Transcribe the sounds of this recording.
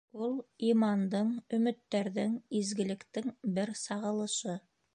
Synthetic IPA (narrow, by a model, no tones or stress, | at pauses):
ulˠimɑnd̪ɤɴɵ̆mɘ̆t̪ːæɾðɘŋizɡɘ̆lɘ̆kt̪ɘŋbɘɾsɑʁɤ̆lˠɤ̆ʃɤ